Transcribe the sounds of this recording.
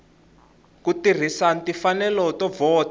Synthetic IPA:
kutir̤isantifanɛlɔtɔvɔːt

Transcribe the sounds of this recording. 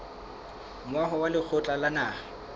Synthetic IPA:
mʊwaɦɔwalɪk͡xʰʊt͡ɬʼalanaːa

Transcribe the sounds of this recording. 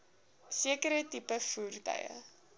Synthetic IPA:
siəkəɾətipəfuːrtœ̰jə̰

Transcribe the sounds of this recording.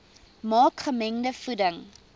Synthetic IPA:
mɑːkχəmɛŋdəfudəŋ

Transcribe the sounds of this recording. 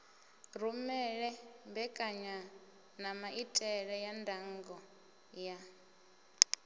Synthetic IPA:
ɾumɛɺɛmbɛkʼaɲa | namaʔitʼɛɺɛjandʱaŋɡɔ | ja

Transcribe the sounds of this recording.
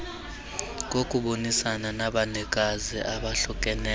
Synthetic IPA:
ŋ̬ʼokʼuɓonisananaɓanɛkʼaziʔaɓaɬɔkʼɛnɛ

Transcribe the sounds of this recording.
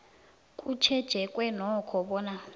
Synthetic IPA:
kʼut͡ʃʰɛd̥ʒ̥ʱɛkʼwɛnɔkʰɔɓɔːna

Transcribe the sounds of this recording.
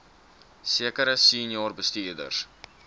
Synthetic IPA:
siəkəɾəsinjɑːrbəstiːrdə̰rs

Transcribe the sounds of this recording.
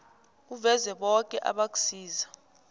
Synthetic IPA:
k̬uvɛzɛɓɔk̬ʼɛʔa̰ɓak̬ʼu̥siːza

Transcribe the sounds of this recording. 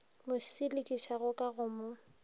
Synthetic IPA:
mʊsɪlɪkʼiʃaɣʊkʼaɣʊmʊ

